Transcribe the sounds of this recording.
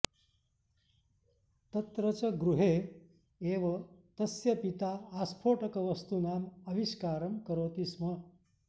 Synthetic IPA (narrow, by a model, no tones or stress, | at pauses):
t̪ɐt̪ɾɐt͡ɕɐɡɾuɦe | eːʋɐt̪ɐsjɐpit̪aːspʰoːʈɐkɐʋɐst̪unaːmɐʋiʃkaːɾɐmkɐɾoːt̪ismɐ